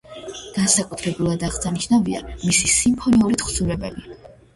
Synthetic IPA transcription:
ɡ̥ansakʼut̪ʰɾɛbulˠad̪aʁsaniʃnavia̰misisimpʰɔniuɾit̪χsuɾɛbɛli

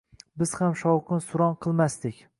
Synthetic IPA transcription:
bɪz̥hamʃɒwqʰɨnsʊɾɒnqʰɨlˠmast̪ɪkʲ

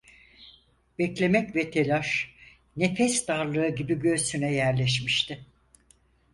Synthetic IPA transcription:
b̥ɛclʲe̞mɛcvɛt̪ʰe̞lʲaʃ | nefɛsd̪aɾlˠɯɯɟibiɟøɾsynɛjæɾlʲɛʃ̬miʃt̪ʰɪ

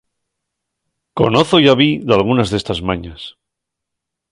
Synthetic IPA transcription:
ko̞̰noθoʝaβiðalɣ̞unazðe̞st̪azmaɲas

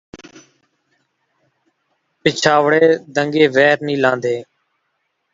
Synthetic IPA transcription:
pɪt͡ʃʰaːʋɽeːd̪əŋɡeːʋɛːɾnĩːlãːnd̪eː

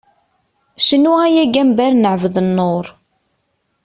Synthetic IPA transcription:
ʃənːuæjæɡæmbæɾnəʕvðənːoɾˤ

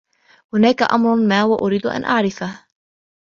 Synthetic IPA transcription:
hʊnaːkaʔa̰mɾˤʊmaːwaʔʊɾiːd̪ʊʔa̰nʔaʕɾɪfah

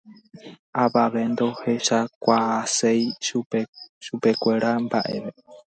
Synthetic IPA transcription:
aβaʋe̞nd̪o̞he̞ʃakʷaasej | ʃupe̞kʷe̞ɾambaʔeʋe

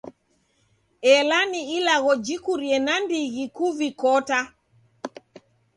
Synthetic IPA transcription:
ɛlaniilaɣɔd͡ʒikuɾiɛnandiɣikuvikɔta

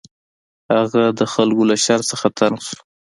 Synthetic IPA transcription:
haɣad̪əxalkolaʃaɾsəxat̪ʰanʃu̥

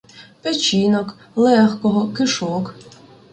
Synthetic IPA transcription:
pɛt͡ʃinɔk | lˠɛxkɔɦɔkɪʃɔk

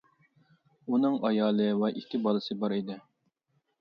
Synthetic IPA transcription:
unɨŋɑjɑːlˠɨwɛʔiht̪ʲɪbɑlˠɨsɨbɑɾid̪ɪ

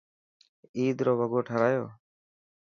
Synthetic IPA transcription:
iːd̪ɾoːbʱəɡoːʈʰəɾaːjoː

